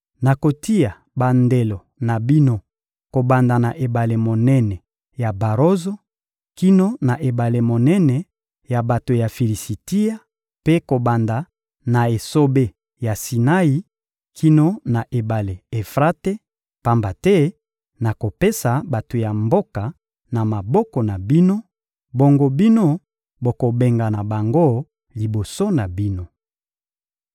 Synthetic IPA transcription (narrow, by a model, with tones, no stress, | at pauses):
na˨ko˨ti˦ja˨ | ba˨nde˨lo˨ | na˨bi˦no˦ | ko˨ba˨nda˨na˨ʔe˨ba˨le˨mo˨nɛ˦nɛ˨ | ja˨ba˨ʁo˦zo˦ | ki˦no˦na˨ʔe˨ba˨le˨mo˨nɛ˦nɛ˨ | ja˨ba˨to˨ja˨fi˨li˨si˨ti˦ja˦ | pe˦ko˨ba˨nda˨ | na˨e˨so˦be˦ | ja˨si˨na˦i˦ | kʰi˦no˦na˨ʔe˨ba˨le˨e˨fʁa˦te˦ | pa˦mba˨tɛ˦ | na˨ko˨pe˦sa˨ba˨to˨ja˨mbo˦ka˨ | na˨ma˨bɔ˦kɔ˨na˨bi˦no˦ | bo˨ŋɡo˨bi˦no˦ | bo˨ko˨be˨ŋɡa˨na˨ba˨ŋɡo˦ | li˨bo˨so˦na˨bi˦no˦